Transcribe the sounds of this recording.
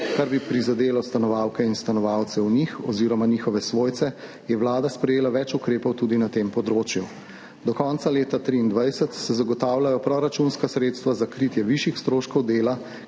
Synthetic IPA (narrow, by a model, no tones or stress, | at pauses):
kaɾbipɾizad̪eːlɔst̪anɔʋaːwkɛinst̪anɔʋaw̪sɛunixɔziːɾɔmaniːxɔʋɛsʋoːjt̪sɛ | jɛʋlaːd̪aspɾɛjeːlaʋɛt͡ʃukɾeːpɔwt̪ud̪inat̪empɔd̪ɾoːt͡ʃju | d̪ɔkɔnt̪saleːt̪at̪ɾiːnd̪ʋajsət̪sɛzaɡɔt̪aːwlajɔpɾɔɾat͡ʃunskasɾet̪st̪ʋazakɾit̪jɛʋiʃjixst̪ɾoːʃkɔwd̪eːla